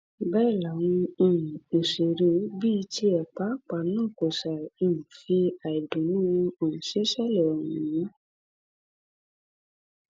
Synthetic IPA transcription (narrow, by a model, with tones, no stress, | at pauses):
bɛ˦˨la˨w̃ũ˧ĩ˦˨o˨ʃe˨ɾe˨˦bi˦˧ti˧ɛ˨k͡pa˨˦˨k͡pa˨nãː˦˨ko˨sa˨i˦˨nũ˨fi˧a˨i˨dũ˨nũ˦˧o˨nũ˨si˨˦ʃɛ˦˨lɛ˨ɔ˨wũ˨jĩ˨˦